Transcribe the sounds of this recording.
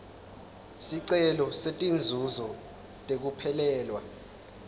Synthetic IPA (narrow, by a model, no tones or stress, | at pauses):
siǀɛlɔsetʼind͡zʱuzɔ | tʼek̬upʰɛlɛːlwa